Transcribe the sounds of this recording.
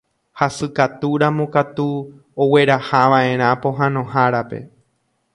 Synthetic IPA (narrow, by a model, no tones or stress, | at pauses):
hasɨkat̪uɾamõkat̪u | owe̞ɾahaʋaʔẽ̞ɾ̃ãpõ̞ɦãnõ̞haɾape̞̰